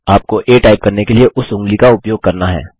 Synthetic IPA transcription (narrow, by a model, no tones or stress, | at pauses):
aːp̚koʔeːʈaːɪb̚kɐɾnekelieʔʊsɦʊ̃ŋɡlikaʊpjoːɡ̚kɐɾnaɦɛ̰ː